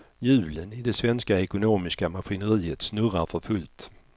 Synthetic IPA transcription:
jʉ̟ːlənɪd̪ɛsvɛnskaɛkʊnoːmɪskamaɧɪnəɾiːət̪snɵɾaɾfœɾfɵlt̪

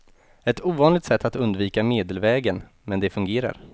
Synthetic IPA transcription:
ɛt̪uːvɑːnlɪɡt̪sɛt̪ʰːat̪ɵnd̪viːkameːd̪əlvɛːɡən | mɛnd̪ɛfɵŋɡeːɾa̰ɾ

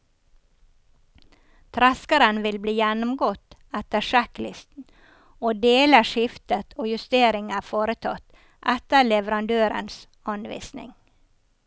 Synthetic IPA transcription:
t̪ʰɾɛskəɾənʋɪlbliːjænʊmɡɔt̪æt̪əʃɛklɪst̪n̩ | oːd̪eːləʃɪft̪ət̪ʰoːjʉst̪eːɾɪŋəfoːɾət̪ʰɑt̪ | ʔæt̪əlɛʋəɾɑnd̪øːɾə̰ns | hɑnʋḭːsnɪ̰ŋ

